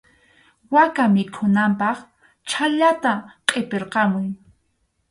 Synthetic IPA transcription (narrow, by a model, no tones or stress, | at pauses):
wakamɪkʰʊnampɑχ | t͡ʃʰaʎat̪aqʼepeɾqɑmʊj